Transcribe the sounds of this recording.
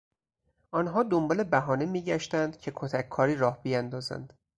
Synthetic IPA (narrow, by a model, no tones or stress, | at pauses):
ʔɒːnɦɒːd̪ombɒːle̞bæɦɒːnemiːɟæʃt̪ænd̪̥cʰe̞kʰot̪ʰækʰːɒːɾiːɾɒːhbijænd̪ɒːzæ̰nd̪̥